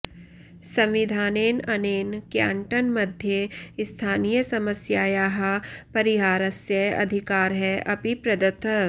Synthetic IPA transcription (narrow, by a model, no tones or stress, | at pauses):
sɐ̃mʋɪd̪ʱaːneːnɐneːnkja̰ːɳʈənmɐd̪ʱjeɪst̪ʰaːnijəsɐməsjaːjaːɦɐpɐɾɪɦaːɾɐsjəɐ̰d̪ʱɪkaːɾɦɛʔɐpipɾɐd̪ɐt̪ʰ